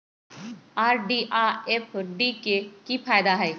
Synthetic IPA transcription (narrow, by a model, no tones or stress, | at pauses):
aːɾɖiːʔaːeːpʰɖiːkeːkiːpʰaːjd̪aɦɛeː